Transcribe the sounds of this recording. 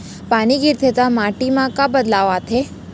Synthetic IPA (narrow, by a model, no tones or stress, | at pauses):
paːniɡiɾt̪ʰet̪amaʈimãkabəd̪laʋat̪ʰe